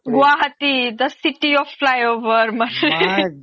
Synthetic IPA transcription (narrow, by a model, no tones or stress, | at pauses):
ɡuʋaɦət̪id̪əsiʈiɔfflajoʋəɾməne